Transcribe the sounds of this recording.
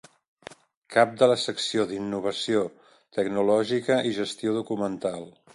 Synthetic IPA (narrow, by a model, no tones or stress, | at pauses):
kap̚d̪ələsəksioðinːuβ̞əsio | t̪əɡnulɔʒikəʔiʒəst̪ioðukumənt̪alˠ